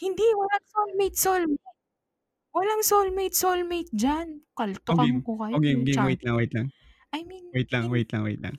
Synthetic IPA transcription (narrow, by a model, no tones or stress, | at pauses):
hɪnd̪iwɐlaŋsolmejt̪̚solmit̚ | wɐlaŋsolmejt̪̚solmejt̪̚d͡ʒankɐlt̪okɪnkokɐjoɡɛŋɡɪwejt̪laŋwɛjt̪laŋ | ʔɐjminwɛjt̪laŋwejt̪laŋwḛjt̪la̰ŋ